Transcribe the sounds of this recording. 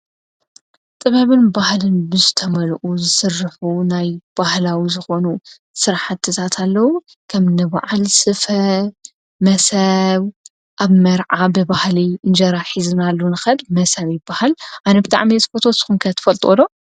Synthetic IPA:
t̪ʼɨβɐβɨnbahlɨnbɨzɨt̪ʰɐmɐlʔuzɨsɨrːɨħunajb̥ahlawizɨxo̞nu | sɨɾħat̪ʰːɨt̪ʰat̪ʰalːɐwu | kʰɐmnɨβa̰ʕalsɨfɐ | mɐsɐβ | ʔaβmɐɾʕabɨbahlind͡ʒɐɾaħizɨnalːunɨxɐlmɐsɐβjɪbːahalʔanɐbɨt̪ʼa̰ʕmit̪fot̪ʰosɨxunkʰɐt̪ʰːɨ̥fɐlt̪ʼolo

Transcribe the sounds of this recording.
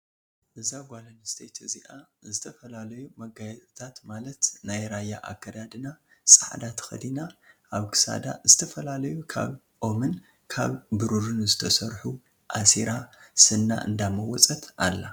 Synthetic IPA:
ʔɨzaɡʷalɐnst̪ʰejt̪ʰziʔazɨt̪ʰɐfɐlalɐjumɐɡajɛt̪ʼɨt̪ʰat̪malɐt̪najɾajːaʔa̰kːɐd̪ad̪ɨnasʼaʕd̪at̪ʰxɐ̰d̪inaʔaβkʰɨ̥sa̰d̪a̰zɨt̪ʰɐfɐlalɐjukʰa̰β | ʔo̞mɨn | kʰa̰βbɨɾuɾɨnzɨt̪ʰɐsɐɾħu | ʔasiɾasɨnːa̰ʔɨ̰nd̪amɐwɔt͡sʼɐt̪alːa

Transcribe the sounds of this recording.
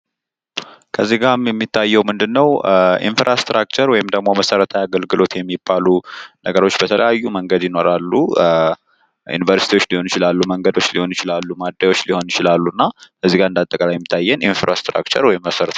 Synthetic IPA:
kʰəzːiɡaɾmjɛmːit̪ʰːajːɛwmɨnd̪ɨnːəwʔḭnfɾʔast̪ɾʔakt͡ʃəɾwɔjɪmd̪əɡmo̞məsəɾət̪ʰajaɡəlɡɨlo̞t̪jɛmːibːalunəɡəɾo̞t͡ʃːbət̪ʰələ̰jajːuməŋɡəd̪jɪno̞ɾalːu | jṵnivəɾsit̪ʰiwo̞t͡ʃːliho̞njɪt͡ʃɪlalːuməŋɡəd̪o̞t͡ʃːliho̞njɪt͡ʃɪlalːumad̪ːajwo̞t͡ʃːliho̞njɪt͡ʃɪlalːunːakʰəzːiɡaɨnd̪at̪ʼəkʼalajɛmːit̪ʰːajːɛninfɾa̰st̪ɾa̰kt͡ʃə̰ɾwɔjimːəsəɾət̪

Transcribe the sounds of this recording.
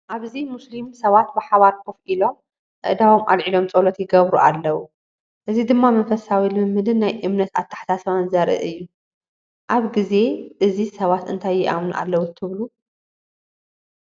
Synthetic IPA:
ʔaβzimuslimsɐβat̪̚bɨħaβaɾkʰofilo̞m | ʔɨ̰ʔd̪awo̞mʔa̰lʕilo̞mt͡sʼolɐt̪jɪɡɐβɾuʔalːɐwu | ʔɨzid̪ɨmːamɐnfɐsawilɨmɨmːɨd̪ɨnːajʔɨmnɐt̪at̪ʰːḁħt̪ʰasɐβanzɐɾʔɨ̰ʔɨjːu | ʔaβɡize̞ʔɨzisɐβat̪ɨnt̪ʰajːɪʔamnuʔa̰lːɐwut̪ʰɨβlu

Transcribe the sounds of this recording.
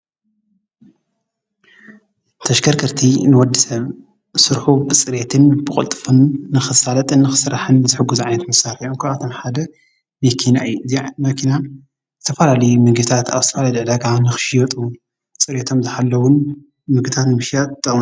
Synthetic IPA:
t̪ʰɐʃɡɐɾkʰɨɾt̪ʰinɨwɔd̪isɐβ | sɨɾħubɨt͡sʼɨɾet̪ʰɨnbɨkʼɨ̰lt̪ʼɨfɨnːɨxɨsalɐt̪ʼɨnːɨxɨ̥sɨɾaħɨnzɨħɨɡuzʕajnɐt̪mɐsaɾiomkʰɨβat̪ʰo̞mħad̪ɐ | mɐkʰina̰jːuzimɐkʰina | zɨt̪ʰɐfalalɐjumɨɡɨt̪ʰat̪a̰βzɨt̪ʰɐfalaliʕd̪aɡanɨxɨ̥ʃijot̪ʼu | t͡sʼɨɾet̪ʰo̞mzɨħalːɐwʊn | mɨɡɨt̪ʰat̪nɨmɨʃijat̪t̪ʰːɨw

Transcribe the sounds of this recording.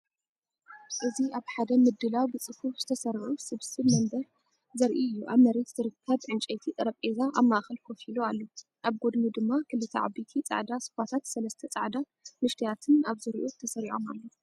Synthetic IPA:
ʔɨziaβħad̪ɐmɨd̪ːɨlawbɨt͡sʼɨhufz̥ɨt̪ʰɐsɐɾʕusɨβsɨβmɐmbɐɾ | zɐɾʔiɨjːuʔa̰βmɐɾe̞t̪z̥ɨɾɨkʰːɐβʕɨnt͡ʃʼɐjt̪ʰit̪ʼɨɾɐpʼezaʔaβmaʔaxɐlfʰofiloalːo | ʔaβɡo̞d̪mud̪ɨmːakʰɨlːɨt̪ʰɐ̰ʕa̰bit̪ʰit͡sʼa̰ʕd̪asɨ̥fat̪ʰat̪sɐlɐst̪ʰɐt͡sʼa̰ʕd̪a | mɨʃt̪ʰijat̪ʰɨnaβzɨɾʔot̪ʰɐsɐɾiʕo̞ma̰lːo

